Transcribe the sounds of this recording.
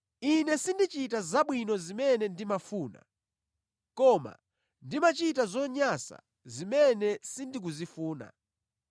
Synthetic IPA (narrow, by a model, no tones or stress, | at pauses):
inɛsindit͡ʃitazaɓwinɔzimɛnɛndimafuːna̰ | kɔma̰ | ndimat͡ʃitazɔɲasa̰ | zimɛnɛsindik̬uzifuːna̰